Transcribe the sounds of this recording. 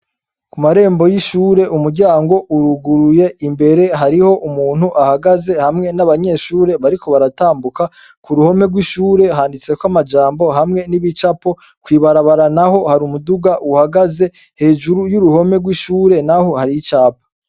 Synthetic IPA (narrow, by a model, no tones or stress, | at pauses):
kumaɾe̞ːmbo̞jiʃuːɾe̞ʔumuɾɟaːŋɡo̞ʔuɾuɡuɾuje̞ʔimbe̞ɾe̞ɦaɾiho̞ʔumuːn̥huʔahaɡaze̞hamŋe̞naβaɲe̞ʃuːɾe̞βaɾikʰo̞βaɾataːmbuka | kuɾuho̞me̞ɡwiʃuːɾe̞ɦaːndit͡se̞kwamad͡ʒaːmbo̞ɦamŋe̞niβit͡ʃapo̞ | kwiːβaɾaβaɾanaho̞haɾumuduɡaʔuhaɡaze̞ | he̞ːʒuɾujuɾuho̞me̞ɡwiʃuːɾe̞naho̞haɾijit͡ʃaːpḁ